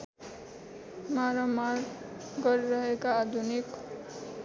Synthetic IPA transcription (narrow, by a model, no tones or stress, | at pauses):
maɾʌmaɾ | ɡʌɾiɾʌɦekaːd̪ʱunik